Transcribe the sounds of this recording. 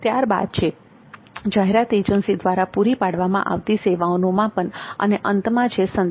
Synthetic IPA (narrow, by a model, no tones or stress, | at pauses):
t̪jaɾba̰d̪̚t͡ʃʰe | d͡ʒaɦeɾat̪ed͡ʒənsid̪ʋaɾapuɾipaɽʋamã̰ʔa̰ʋt̪iseʋaonomãpəɳə̰neʔənt̪mãt͡ʃʰesən